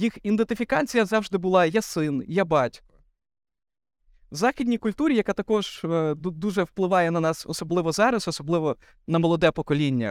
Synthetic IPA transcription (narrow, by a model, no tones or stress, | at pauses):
jixind̪ent̪ɪfʲikɑt͡sʲijɐzɑwʒd̪ɪbʊlˠɑjasɪnjabɑtʲ | zɑxʲidʲnʲijkʊlʲt̪uɾʲijɐkat̪ɐkɔʒ̥d̪uʒɛwplˠɪʋɑjɛnɐnɑsɔ̰sɔblˠɪʋɔzɑɾɐsɔsɔblˠɪʋɔ | nɐmɔlˠɔd̪ɛpɔkɔlʲinʲːɐ̰